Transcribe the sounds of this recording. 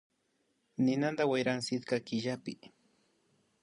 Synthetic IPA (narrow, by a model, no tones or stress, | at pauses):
nɪnand̪awajɾaŋsɪt̪kakɪʎapɪ